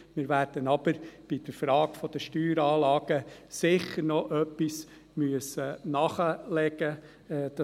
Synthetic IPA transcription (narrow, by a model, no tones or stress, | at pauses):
mɪɾʋæːɾd̥ənɑbəɾb̥id̥əɾfɾɑːɡ̥fɔd̥̪əʃtyːɾɑːlɑːɡ̥əsɪχəɾnɔʔœpːis | myəsənɑχəlɛɡ̥ə | d̥ɑ